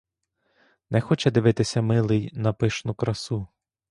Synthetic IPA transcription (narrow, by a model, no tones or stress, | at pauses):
nɛxɔt͡ʃɛd̪ɪʋɪt̪ɪsʲɐmɪlˠɪjnɐpɪʃnʊkɾɐsu